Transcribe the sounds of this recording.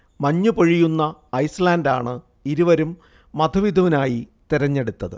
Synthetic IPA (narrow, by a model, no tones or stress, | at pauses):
mɐɲːupoɻijunːɐːjslaːnda̰ːɳɨ | iɾuʋɐɾumː | ɐd̪ʱɐʋid̪ʱɐʋinaːjit̪iɾɐɲːe̞ɽut̪ːɐðɨ̰